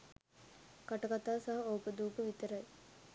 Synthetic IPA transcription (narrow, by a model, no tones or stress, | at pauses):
kaʈɐkat̪aːsaɦɐoːkəd̪uːpəʋit̪əɾaj